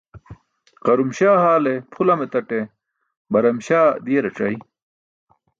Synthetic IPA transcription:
qɐɾumɕaːhaːlepʰulɐmet̪ɐʈe | bɐɾɐmɕaːd̪iːɾeʈ͡ʂɐj

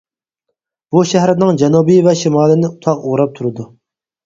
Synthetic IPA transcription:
b̥uʃæɦɾɪnɨŋd͡ʒɛnubijvɛʃimɑːlɪnɪut̪ʰɑqoʁɾɑp̚t̪ʰuɾɨd̪u

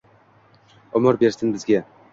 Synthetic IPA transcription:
ɒmɒɾbe̞ɾsɪnbɪzɡʲa

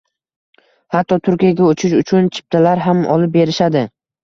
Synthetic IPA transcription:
hat̪ʰːɒt̪ʰʊɾkʲijaɡʲaot͡ʃʰɪʃʊt͡ʃʰʊnt͡ʃʰɪ̥p̚t̪ʰalaɾɦamɒ̰lɪp̚be̞ɾɪʃad̪ɪ

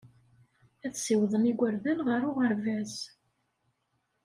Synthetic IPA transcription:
æθsiwðˤəniɡʷəɾðænʁəɾʊʁəɾvæz

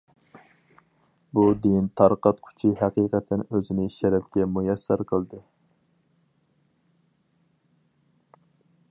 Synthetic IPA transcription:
bud̪int̪ʰɑɾqɑt̪̚kʲʰy̥t͡ʃʰiɦæqiːqɛt̪ʰɛnøzɪnɪʃɛɾɛp̚kʲɛmujɛsːɛɾqʰəlˠd̪ɨ

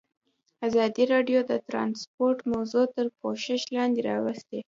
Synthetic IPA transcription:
azɑd̪iɾɑɖjod̪ət̪ɾɑ̰nspoɾʈmawzot̪əɾkoʃɪʃlɑnd̪eɾɑ̰wəst̪e

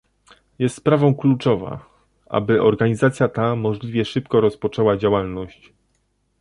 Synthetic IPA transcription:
jɛst̪spɾavɔ̃w̃klut͡ʂɔva̰ | ʔa̰bɘʔɔɾɡaɲizat̪sʲjat̪amɔʐlʲivʲjɛʂɘpkɔɾɔspɔt͡ʂɛwad͡ʑawalnɔɕt͡ɕ

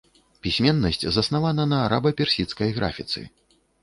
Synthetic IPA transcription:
pʲisʲmʲɛnːɐsʲt͡sʲzɐsnavanɐnɐːɾabɐpʲɛrsʲit̪skɐjɣɾa̰fʲit̪sɨ̰

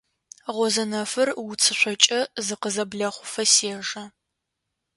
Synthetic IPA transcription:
ʁʷɔzɐnɐfɨrwʊt͡sʰɨɕʷɔt͡ʃʼɐzɨqəzɐbɮɐχʷʊfɐseːʒɐ

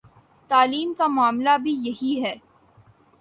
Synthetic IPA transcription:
t̪aːliːmkamʊaːmlabʱijɐɦiɦɛː

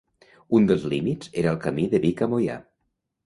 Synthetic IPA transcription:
und̪əlˠzlimiz̥eɾəːlˠkəmiðəβikamoja̰

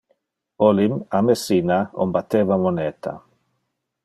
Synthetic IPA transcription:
olimamesinao̰mbat̪ːevamonɛt̪ʰa̰

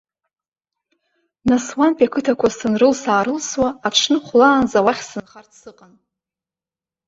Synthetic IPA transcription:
naswanpʼekʰɨtʰakʷʰasɨnrɨlsaːɾɨlswaːʈ͡ʂʰnɨχʷlaːnzawaχʲsɨnχartsɨqʼan

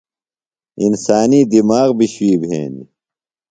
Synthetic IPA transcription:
insaːniːd̪imaːɣbiɕwiːbʱḛːni

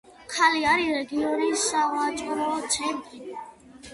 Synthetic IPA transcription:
kʰaliaɾiɾɛɡiɔɾiːsːaʁwat͡ʃʼɾɔt̪sʰɛɾt̪ʼi

